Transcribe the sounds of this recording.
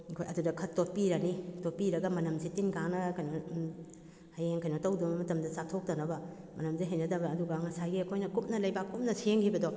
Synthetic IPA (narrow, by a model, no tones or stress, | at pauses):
ikʰojʔɐdudɐkʰɐtot̚piɾɐnitopiɾɐɡɐmɐnɐmsitinkanɐkɐjno | hajeŋkɐjnotɐwdubɐmɐtɐmdɐsak̚tʰok̚tɐnɐbɐ | mɐnɐmziɦejnɐdɐbɐːduɡɐŋɐsajɡiɐkʰojnɐkup̚nɐlɐjbakːup̚nɐsieŋkʰibɐdo